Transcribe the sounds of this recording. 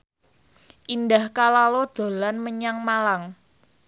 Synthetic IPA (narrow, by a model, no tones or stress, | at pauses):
ʔindahkalalɔd̪̥o̤lanməɲaŋmalaŋ